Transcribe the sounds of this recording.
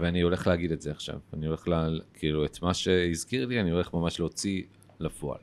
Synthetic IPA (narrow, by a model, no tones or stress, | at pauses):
veanio̞le̞χleaɡidetzeaχʃa̰vanio̞le̞χlalkʰiiluetmaʃe̞izkiʁlianio̞le̞χmamaʃleot͡si | lafoa̰l